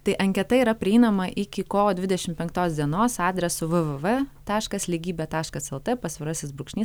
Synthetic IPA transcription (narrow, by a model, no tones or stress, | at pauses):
t̪ɐɪʔɐŋʲkʲɛt̪ɐiɾɐpʲɾʲɪɛɪnɐmɐʔɪkʲɪkoːoːd̪ʲʋʲɪd̪ʲɛʃʲɪmpʲɛŋk̚t̪oːsd̪ʲiɛnoːsɑːd̪ʲɾʲɛsʊʋɨʋɨʋɨt̪ɑːʃkɐslʲiːɡʲiːbʲeːt̪ɑːʃkɐsɛlˠt̪ɨpɐsʲʋʲɪɾɑsʲɪsbɾʊkʃʲnʲiːs